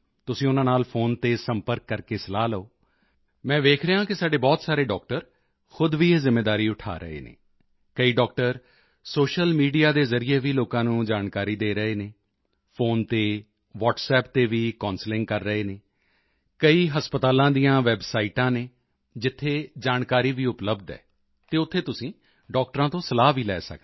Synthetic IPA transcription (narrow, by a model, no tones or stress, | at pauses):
t̪ʊsĩːʊnãːnaːlpʰoːnt̪eːsəmpəɾkːəɾkeːsəlaːləoː | mɛ̃ːʋ̪eːkʰɾəãːkɪsaːɖeːbɔːt̪saːɾeːɖɔːk̚ʈəɾ | xʊd̪ʋiːeːzɪmːeːd̪aːɾiːʊʈʰa̰ːɾə̰ḛːnḛː | kəiːɖɔːk̚ʈəɾ | soːʃəlmiːɖijaːd̪eːzəɾɪeːʋiːloːkãːnũːd͡ʒaːnkaːɾiːd̪eːɾəɦeːneː | pʰoːnt̪eː | ʋɔːʈsɛːp̚t̪eːʋiːkɔ̃ːnslɪ̃ŋɡ̚kəɾːəɦeːneː | kəiːɦəspət̪aːlãːd̪ijãːʋɛːbsaːiːʈãːneː | d͡ʒɪt̪ʰːeːd͡ʒaːnkaːɾiːʋiːʊpləbd̪ɛ̰ː | t̪eːʊt̪ʰːeːt̪ʊsĩː | ɖɔːk̚ʈəɾãːt̪õːsəlaːʋiːlɛ̰ːsə̰k̪ː